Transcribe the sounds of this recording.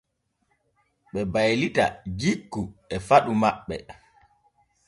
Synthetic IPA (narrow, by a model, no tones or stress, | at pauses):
ɓɛbajlita̰d͡ʒikːuɛfaɗumaɓːɛ̰